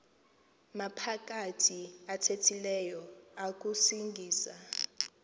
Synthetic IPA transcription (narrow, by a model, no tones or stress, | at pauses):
mapʰak̬ʼatʰiatʰetʰilɛjɔak̬ʼusiŋɡʱiːsa